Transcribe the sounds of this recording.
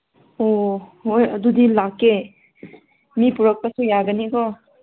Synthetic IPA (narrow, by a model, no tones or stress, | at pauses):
ohojɐd̪udilakːe | mipuɾɐk̚pɐsujaɡənikɔ